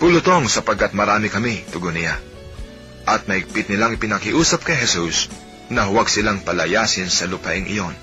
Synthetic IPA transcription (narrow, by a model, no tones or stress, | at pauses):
pulʊt̪o̞ŋsɐpɐɡ̚kːat̪̚mɐɾaːmɪkɐmit̪ʊɡonɪja | ʔɐt̪̚mɐɪɡ̚pɪt̪̚nɪlaŋɪpɪnɐkɪʔuːsɐp̚kɐjɦɛsus | nɐɦʊwaɡsɪlaŋpɐlɐjaːsɪnsɐlʊpɐ̰ʔɪŋʔɪ̰jo̞n